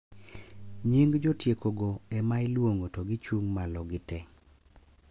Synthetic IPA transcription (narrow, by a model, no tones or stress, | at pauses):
ɲiŋɡd͡ʒotjekoɡoɛmajlwoŋotoɡɪt͡ʃuŋmalɔɡɪtɛ